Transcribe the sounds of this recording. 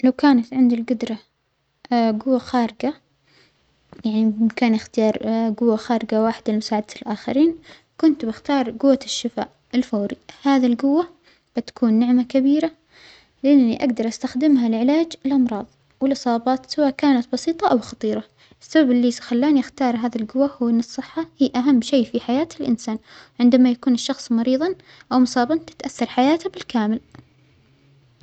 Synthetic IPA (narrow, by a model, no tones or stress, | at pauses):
lawkaːnat̪ʕɪnd̪ilɡʊd̪ɾˤɑ | ɡʊwːaxaːɾɪɡa | jaʕnikaːnʔɪxt̪ɪjɑːɾˤɡʊwːaxaːɾɪɡawaːħɪd̪almʊsaːʕad̪aɪlʔaːxa̰ɾiːn | kʊnt̪bɪxt̪ɑːɾˤɡʊwːaʃːɪfa̰ːʔʔɪlfoːɾihaːðilɡʊwːa | b̥ɪt̪ḁkuːnːɪʕmakabiːɾa | lɪʔanːiʔaɡd̪ɑɾˤʔast̪axd̪ɪmɦalʕɪlaːd͡ʒɪlʔɑmɾˤɑːðˤ | wɪlʔɨsˤɑːbɑːt̪ˤsawaːʔkaːnat̪̚bɑsiːt̪ˤɑʔawxɑt̪ˤiːɾˤɑ | ʔɪsːababɪlːisxalːaːniɪxt̪ɑːɾˤɦaːðilɡʊwːahʊwːʔɪnːɨsˤːɨħːahiːʔaɦamːʃejːfiħajaːt̪ɪlʔɪnsaːnʕɪnd̪amajakuːnɪʃːɑxsˤmɑɾiːðˤɑn | ʔawmʊsˤɑːbɑnt̪ɪ̥t̪ʔaθːɑɾˤħajaːt̪abɪlkaːmɪl